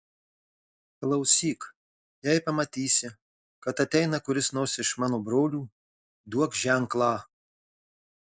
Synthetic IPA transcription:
klˠɐʊsʲiːk | jɛɪpɐmɐt̪ʲiːsʲɪ | kɐt̪ɐt̪ʲɛɪnɐkʊɾʲɪsnoːsʲɪʃmɑːnoːbɾoːlʲuː | d̪uɔkʒʲɛŋklˠɑː

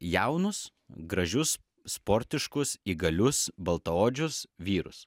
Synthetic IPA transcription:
jɛʊnʊs | ɡɾɐʒʲʊs | spoɾʲt̪ʲɪʃkʊsiːɡɐlʲʊsbɐlˠt̪ɐoːd͡ʒʲʊsʋʲiːɾʊ̰s

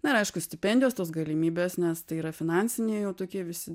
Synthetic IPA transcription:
nɐɪɾɐɪʃkʊsʲt̪ʲɪpʲɛnʲd̪ʲɪjoːst̪oːsɡɐlʲɪmʲiːbʲeːsnʲɛst̪ɐɪiːɾɐfʲɪnɑˑnʲsʲɪnʲeːjɛʊt̪oːkʲiɛʋʲɪsʲɪ

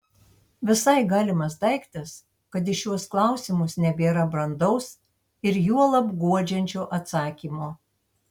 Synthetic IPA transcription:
ʋʲɪsɐɪɡɑːlʲɪmɐsd̪ɐɪkt̪ʲɪs | kɐt̪̬ɪʃʲuɔsklˠɑˑʊsʲɪmʊsnʲɛbʲeːɾɐbɾɐnd̪ɐʊs | ɪɾjuɔlˠɐbɡuɔd͡ʒʲɛnʲt͡ʃʲoːʔɐt̪sɑːkʲiːmoː

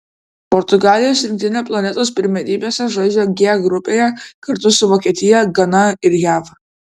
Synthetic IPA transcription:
pɔɾt̪ʊɡɑːlʲɪjoːsɾʲɪ̃ŋkt̪ʲɪnʲɛplˠɐnʲɛt̪oːspʲɪɾʲmʲɛd̪ʲiːbʲeːsʲɛʒod͡ʒʲoɡʲeɡɾʊpʲejɛkɐɾt̪ʊsʊʋɔːkʲiɛt̪ʲɪjɛɡɐnɐɪɾjæːʋ

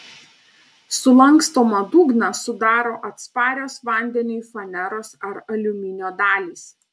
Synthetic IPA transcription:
sʊlˠɐŋˑkst̪oːmɐd̪uːɡnɐsʊd̪ɑːɾoːʔɐt̪spɑːɾʲoːsʋɐˑnʲd̪ʲɛnʲʊfɐnʲɛɾoːsɐɾɐlʲʊmʲɪnʲoːd̪ɑːlʲiːs

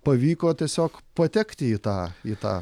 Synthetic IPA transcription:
pɐʋʲiːkoːt̪ʲiɛsʲoːkpɐt̪ʲɛkt̪ʲɪiːt̪ɑːiːt̪ɑ̰ː

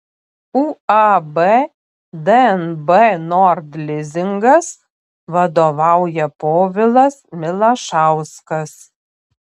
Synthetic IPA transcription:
uːɑbɛ | d̪ɛɛnbɛnɔɾd̪lʲɪzʲɪŋɡɐs | ʋɐd̪oːʋɑˑʊjɛpoːʋʲɪlˠɐsmʲɪlˠɐʃɑˑʊskɐs

